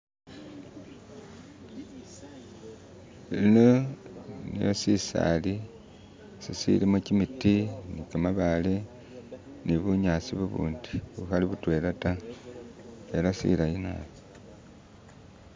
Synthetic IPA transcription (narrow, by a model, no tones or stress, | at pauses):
iino | nḭjosisa̰li | sisḭlimucimitinikamaβale | niβuɲaːt͡siβuβṵːndiβuxaliβutwe̞ːlata | e̞lasḭlajina̰βo